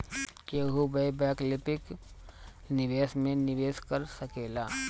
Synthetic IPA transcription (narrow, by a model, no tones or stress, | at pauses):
keːɦubebɛːklɪpɪk | nɪʋeːsmẽnɪʋeːskɐɾsɐkeːlaː